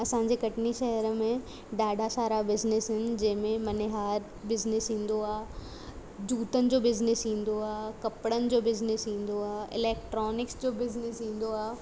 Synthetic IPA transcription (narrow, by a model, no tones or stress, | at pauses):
ɐsãːɲd͡ʑekɐʈniʃɛɦəɾmẽ | ɖaːɖʱasaːɾabɪznɪsɦɪnɪ̆d͡ʑɐ̃ɦɪ̃mẽmɐneɦaːɾ | bɪznɪsɦĩːn̆d̪oaː | d͡ʑuːt̪ənɪ̆d͡ʑoːbɪznɪsĩːnd̪oaːkɐpɽənɪ̆d͡ʑoːbɪznɪsɦĩːn̆d̪oaːɪ̰lɛːk̚ʈɾɔːnɪksd͡ʑoːbɪznɪsɦĩːn̆d̪oaː